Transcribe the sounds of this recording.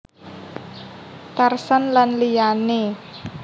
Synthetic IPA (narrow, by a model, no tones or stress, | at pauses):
t̪arsanlanlijane